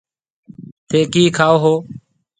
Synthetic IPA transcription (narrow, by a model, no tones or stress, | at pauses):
t̪ʰeːkiːkʰaːoːɦoː